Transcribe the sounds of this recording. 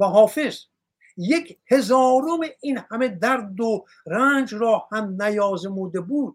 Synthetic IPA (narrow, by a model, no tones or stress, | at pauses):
æɦɒːfe̞z | jekʰhe̞zɒːɾomeʔinhæme̞d̪æɾd̪o | ɾænd͡ʒɾɒːhæmnæjɒːzemuːd̪ebuːd̪̥̚